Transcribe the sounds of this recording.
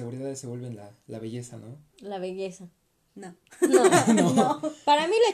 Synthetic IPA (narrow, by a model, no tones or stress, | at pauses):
eɣuɾiðaðeseβe̞lβenla | laβeʝe̞sano | laβe̞ʝe̞sa | no | nonoopaɾamila